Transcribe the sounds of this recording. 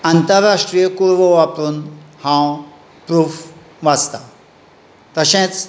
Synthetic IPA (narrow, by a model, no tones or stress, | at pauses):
ant̪əɾːaʂʈɾijəkuɾʋoʋapɾunhãw | pɾuf | ʋast̪a | t̪əɕẽt͡s